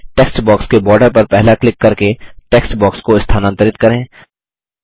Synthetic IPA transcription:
ʈeːksʈbɔːkskebɔːɾɖəɾpɐɾpɛɦlaklɪkːɐɾkeʈeːksʈbɔːkskoɪst̪ʰaːnə̃nt̪əɾɪt̪kɐɾẽː

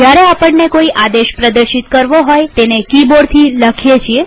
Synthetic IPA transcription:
d͡ʒjaɾeapəɳːekoiʔad̪eʃpɾəd̪əɾʃit̪kəɾʋoɦojt̪enekiboɽt̪ʰiləkʰjet͡ʃʰie

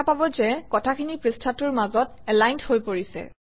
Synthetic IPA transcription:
apabɔzɛkɔtʰakʰinipɹistʰatʊɹmazɔtɛlajnthojpoɹisɛ̰

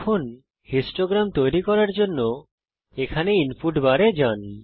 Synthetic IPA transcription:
kʰon | hisʈoɡɾamt̪ojɾikɔɾaɾd͡ʑonːo | ekʰaneinfuʈbaɾed͡ʑan

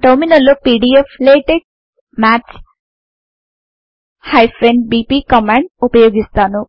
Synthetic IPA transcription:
ʈʌɾminəlːopiɖiepʰleʈeɖ̚ | mat͡ʃ | hajpʰɾeɳɖbipikɔmaɳɖupɐjoɡist̪anu

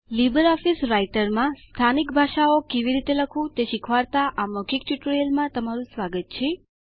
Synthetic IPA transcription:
libəɾɔfisɾaiʈəɾmãst̪ʰanikbʱaʃaokeʋiɾit̪eləkʰũt̪eʃikʰʋaɾt̪aʔamɔkik̚ʈuʈɾjəlmãt̪əmaɾũsʋaɡət̪̚t͡ʃʰe

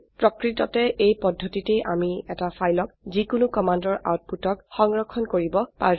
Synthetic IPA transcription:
pɹɔkɹitɔ̰tɛʔejpɔdʱːotitejʔamiɛtafʰajlɔk̚zikʊnʊkɔmandɔɹʔa̰wt̚putɔkxɔŋɹɔkʰːɔnkoɹibɔpa̰

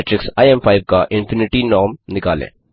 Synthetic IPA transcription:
ʈɾɪksajempʰaɪʋkaʔɪ̃nfɪnɪʈinɔːmnɪkaːlḛ̃ː

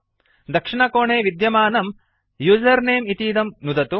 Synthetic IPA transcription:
d̪ɐkʂiɳɐkoːɳeːʋid̪jɐmaːnɐm | juːd͡ʒɐɾneːmit̪iːd̪ɐmnud̪ɐt̪u

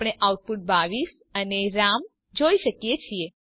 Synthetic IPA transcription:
ɽ̃eʔauʈ̚puʈ̚baʋis | əneɾam | d͡ʒoiʃəkjet͡ʃʰie

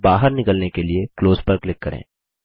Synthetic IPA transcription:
baːɦəɾnɪkəlnekeliekloːzpəɾklɪkːɐɾḛ̃ː

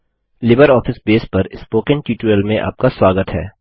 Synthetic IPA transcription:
lɪbəɾɔːfɪsbeːspɐɾɪspoːkə̃nʈuːʈuəlmẽʔa̰ːp̚kaswaːɡət̪ɦɛ̰ː

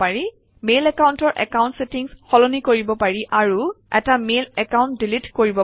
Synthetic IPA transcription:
aɹi | melɛkawntɔɹʔɛ̰kaw̃ntsetiŋsxɔlonikoɹibɔpaɹiʔaɹu | ɛtamelɛkawnt̚dilitkoɹibɔ

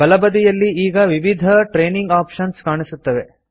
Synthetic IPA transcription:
bɐlɐbɐd̪ijɐlːiiːɡɐʋiʋid̪ʱɐʈɾeːniŋɡaːpʂɐnskaːɳisut̪ːɐʋe̞

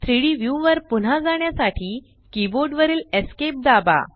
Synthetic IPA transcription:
t̪ʰɾiɽiʋjuʋəɾpun̤ad͡zaɳjasaʈʰiː | kiboɖʋəɾiːleskep̚d̪aba̰

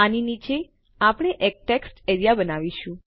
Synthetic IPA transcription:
aninit͡ʃe | apɽ̃eʔek̚ʈeksʈeɾijabənaʋiʃũ

